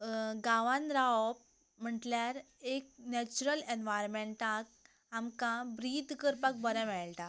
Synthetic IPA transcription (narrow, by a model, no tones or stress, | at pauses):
ɡãʋãnɾap̚ | m̤əɳʈljaɾ | ek̚nɛt͡ɕuɾəlenʋajɾmẽɳʈãk̚ | amkãbɾid̪ʱkəɾpak̚bəɾɛ̃mɛɭt̪a